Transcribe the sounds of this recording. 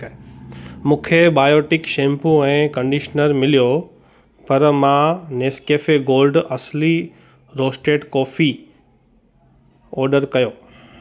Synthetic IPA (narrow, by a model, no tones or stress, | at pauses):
mũːkʰebaːjoːʈɪkʃẽːmpũɛ̃ːkɐ̃ɳɖiʃnəɾmɪlijo | pɐɾmãneːskeːfeɡoːlɖɐsli | ɾoːsʈeːʈkɔːfi | ɔːɾɖəɾkɐjoː